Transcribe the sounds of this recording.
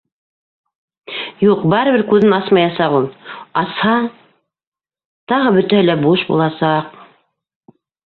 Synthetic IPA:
juqbɑɾɤ̆βɘɾkʉðɘnɑsmɑjɑsɑʁulˠɑshɑɴ | t̪ɑʁɤbɵ̆t̪æhɘlæbuʃbṵlˠɑsɑq̚

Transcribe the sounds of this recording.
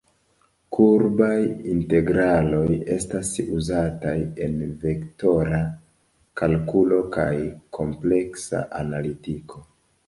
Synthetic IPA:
kʰuɾbajinte̞ɡɾalo̞je̞stasuzataje̞nve̞kto̞ɾa | kalkulo̞ka̰jkʰo̞mple̞ksa̰ʔanalitikʰo̞

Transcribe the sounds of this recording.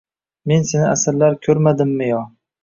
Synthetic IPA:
me̞nsenɪasɪɾlaɾkʲʰɵɾmad̪ɪmːɪjɒ

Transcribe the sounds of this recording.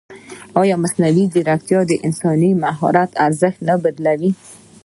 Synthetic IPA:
ɑjɑmasnawid̪ɪɾak̚t̪jɑd̪əʔɪnsɑnimaɦɑ̰ɾat̪aɾzɪxt̪nabad̪lawi

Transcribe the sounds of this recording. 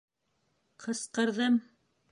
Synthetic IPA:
qʰɤ̆sqɤ̆ɾðɤm

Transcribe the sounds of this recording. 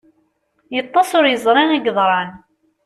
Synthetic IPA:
jət̪ˤːɑsʊɾjəzˤɾˤɑnæɡðˤɾˤɑn

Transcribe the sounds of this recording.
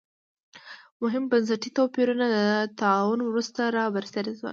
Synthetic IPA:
mʊɦɪmbans̬aʈit̪ɑpeɾunalat̪aɑwʊnwɾust̪aɾɑwaɾsaɾezwa̰l

